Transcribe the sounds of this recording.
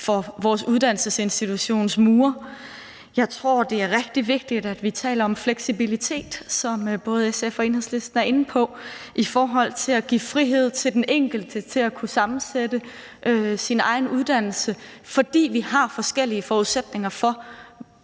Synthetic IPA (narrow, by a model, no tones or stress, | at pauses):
fɒ̽ʋɒːsuðˠd̥æn̰l̩səse̝nsd̥it͡sʰuɕo̝̰ːnsmuːɐ | jɑ̈ɪt͡sʰʁo̝ɐ̰d̥e̝æɐʁɛɡ̥d̥iʋe̝ɡ̥̚d̥id̥æd̥ʋit͡sʰɛ̰ːlɐɒ̽mfleɡ̥sibilit͡sʰe̝̰ːd̥sɒ̽mb̥ɔ̽ːð̞̩ˠesefɒe̝ːnheðˠsle̝sd̥n̩æɐe̝n̩pʰɒ̽ʔifɒːɦɒ̽l̰t͡sʰe̝læɡ̥ḭːfʁiɦe̝ð̞̰ˠt͡sʰe̝ld̥enʔeŋ̰ɡ̥l̩d̥ət͡sʰe̝lækʰusɑ̈mn̩sed̥ə | ʔøsinɑ̈ɪnuð̞ˠd̥æn̰l̩səfɒ̽d̥ḭːʋihɑ̈fɒ̽sɡ̥el̰iəfɒːuð̞ˠsed̥ne̝ŋɐfɒ̽